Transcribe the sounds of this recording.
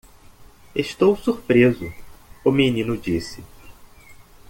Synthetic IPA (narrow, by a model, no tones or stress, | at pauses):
eʃt̪owsuɾpɾezʊʊmenĩnʊd͡ʒisɪ